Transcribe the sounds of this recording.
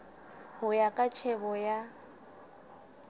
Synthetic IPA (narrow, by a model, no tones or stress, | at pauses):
hʊjakʼat͡ʃʰɛbɔja